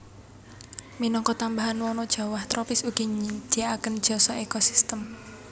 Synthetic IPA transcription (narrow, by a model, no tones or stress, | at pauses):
minɔŋkɔt̪ambaɦanwɔnɔd̥ʒ̥a̤waht̪ɾɔpɪsuɡ̥iɲid̪̥iaakənd̥ʒ̥ɔ̤sɔekɔsi̥st̪əm